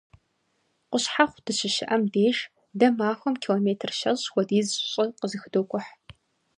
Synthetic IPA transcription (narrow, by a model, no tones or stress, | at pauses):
qʷʊɕħaχʷd̥ɨɕɪʃɪʔɐmdeːʃ | dɐmaːxʷɔmkʰiːloːmeːtʰɨrʃɐzwʷɔdiːzɕʼɪqəzɨxɨdoːkʷʼʊħ